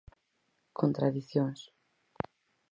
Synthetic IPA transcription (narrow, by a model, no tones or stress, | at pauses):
kʰont̪ɾaðiθjoŋs